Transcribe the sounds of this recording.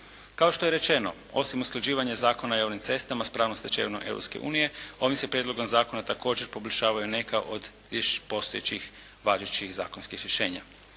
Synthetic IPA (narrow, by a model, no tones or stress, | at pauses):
kaoʃt̪o̞je̞ɾe̞t͡ʃe̞no | o̞̰simusklad͡ʑiːʋaɲezaːko̞naojaːʋnimt̪se̞st̪amaspɾaːʋnoset͡ʃḛʋnomʔḛwɾopske̞̰ʔṵːnije̞o̞ʋimsepɾjed̪loɡo̞mzaːko̞nat̪ako̞ːd͡ʒe̞ɾpo̞blʲʃaːʋajune̞kaʔod̪ | epo̞st̪ojet͡ɕix | ʋaʒet͡ʃixza̰ːkonskixɾjeʃe̞ːɲa̰